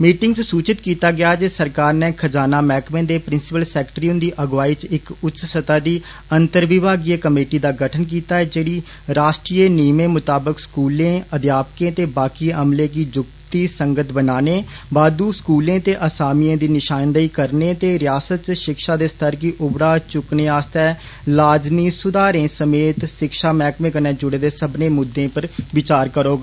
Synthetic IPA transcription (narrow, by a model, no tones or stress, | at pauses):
miːʈɪŋɡt͡ʃsuːt͡ʃɪt̪kiːt̪aːɡɪjaːd͡ʒeːsəɾkaːɾnɛ̃ːkʰəd͡ʒaːnaːmɛːkmẽːd̪eːpɾɪnsɪpəlsɛːkʈɾiːʊ̃nd̪iːʔəɡʋaːiːt͡ʃɪkʊtːt͡ʃsət̪aːd̪iː | ənt̪əɾʋɪbaːɡiːekəmeːʈiːd̪aːɡəʈʰənk̬iːt̪aːɛːd͡ʒeːɽiː | ɾaːʃʈɾiːeːniːmẽːmʊt̪aːbəkskuːlẽːəd̪jaːpkẽːt̪eːbaːkiːəmlẽːkiːd͡ʒʊkt̪iːsəŋɡət̪ʰbənaːneːbaːd̪uːskuːlẽːt̪eːʔəsaːmijãːd̪iːnɪʃaːnd̪aiːkəɾneːt̪eːɾɪjaːsət̪t͡ʃʃɪkʃaːd̪eːst̪ʰəɾkiʔʊbɽaːt͡ʃʊkneːaːst̪ɛː | laːd͡ʒmiːsʊd̪aːɾẽːsəmeːt̪ʃɪkʃaːmɛ̃ːkmẽːkənɛ̃ːd͡ʒʊɽeːd̪eːsəbnẽːmʊd̪ːẽːpəɾʋɪt͡ʃaːɾkəɾoːɡaː